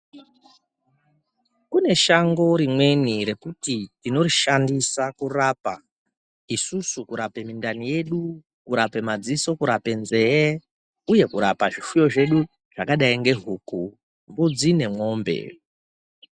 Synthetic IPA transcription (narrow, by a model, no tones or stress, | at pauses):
kune̞ʃaŋɡo̞ɾimwe̞niɾe̞kutitino̞riʃandisakuraːpa | isusukuɾape̞mindanije̞ɗu | kuɾape̞mad͡ziso̞kuɾape̞nze̞e | uje̞kuɾapaʐifujo̞ʐe̞ɗu | ʐ̥akaɗaiŋɡe̞ɦuku | mbud͡zine̞mo̞ːmbe̞̰